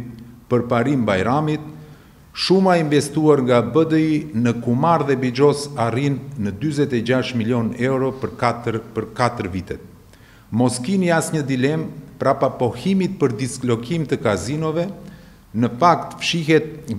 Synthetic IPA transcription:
pəɾpaɾimbajɾamit̪̚ | ʃumaiɱvɛst̪uaɾŋɡabəd̪əinəkumaɾðɛbid͡ʒɔsarinːəd̪yzɛt̪ɛd͡ʑaʃmiljɔnɛwɾɔ | pəɾkat̪əɾvit̪ɛt̪̚ | mɔskiniasɲəd̪ilɛmpɾapapɔhimit̪̚pəɾd̪isklɔkimt̪əkazinɔvɛ | nəfakt̪fʃiɦɛt̪̚

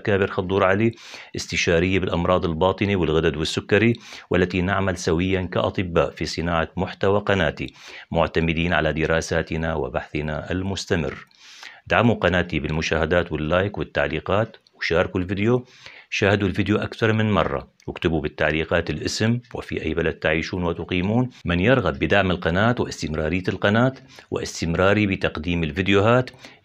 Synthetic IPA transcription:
kaːbɪɾxɑd̪ˤuːɾˤʕali | ʔɪst̪ɪʃaːɾɪjːabɪlʔɑmɾˤɑːd̪ˤɪlbɑːt̪ˤɨniwɪlɣad̪ad̪wɪsːʊkːɑɾiwʔa̰lːat̪inaʕmalsawɪjːanka̰ʔɑ̰t̪ˤɨbːaːʔfisˤɨnaːʕamʊħt̪awaqɑnaːt̪imʊʕt̪amɪd̪iːnʕa̰lad̪ɪɾɑːsaːt̪ɪnawɪ̰baħθɪnaʔalmʊst̪amɪ̰rː | d̪aʕamuqɑnaːt̪ibɪlmʊʃaːhad̪aːt̪wɪlːaːjkwɪt̪ːaʕliːqaːt̪wɪʃaːɾˤɑkulvɪd̪joʃaːhad̪ulfɪd̪joʔakθɑɾˤmɪnmɑ̰rˤːɑ̰wɪkt̪ɪbubɪt̪ːaʕliːqɑːt̪ɪlʔɪsmwɪ̰fḭʔajːbalad̪̚t̪aʕiːʃuːnwɪt̪ʊqiːmuːnmɪnjɪɾɣabːɪd̪aʕmɪlqɑnaːt̪wɪʔɪst̪ɪmɾˤɑːɾɪjːaɪlqɑnaːt̪ | wɪ̰ʔɪ̰st̪ɪmɾˤɑːɾibɪt̪ɑqd̪iːmɪlfɪd̪jʊɦaːt̪

